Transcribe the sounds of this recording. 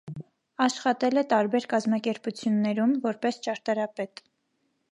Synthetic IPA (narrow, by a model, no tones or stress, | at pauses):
ɑʃχɑt̪ɛlɛt̪ɑɾbɛɾkɑzmɑkɛɾput͡sʰjunːɛɾumvɔɾpɛst͡ʃɑɾt̪ɑɾɑpɛt̪